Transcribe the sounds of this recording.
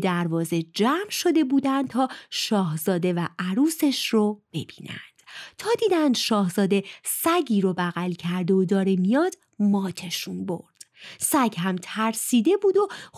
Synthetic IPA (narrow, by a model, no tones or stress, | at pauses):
d̪æɾvɒːze̞d͡ʒæːmʃo̞d̪e̞buːd̪ænd̪̚t̪ʰɒːʃɒːhzɒːd̪e̞væʔæɾuːse̞ʃrob̥e̞̰biːnæ̰nd̪̥t̪ʰɒːd̪iːd̪ænd̪ʃɒːhzɒːd̪e̞sæɟiːɾobæɣælcʰæɾd̪eod̪ɒːɾemijɒːd̪̥ | mɒːt̪ʰe̞ʃunbo̞̰ɾd̪̥sæɟɦæmt̪ʰæɾsiːd̪e̞buːd̪o̞